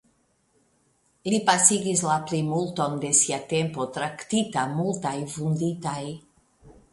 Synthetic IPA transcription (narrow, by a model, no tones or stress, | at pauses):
lipasiɡislaplimult̪o̞nd̪e̞siat̪empo̞t̪ɾakt̪it̪amult̪ajfund̪it̪aj